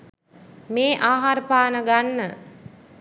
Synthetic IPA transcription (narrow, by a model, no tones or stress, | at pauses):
meːʔaːɦaɾəpaːnəɡanːə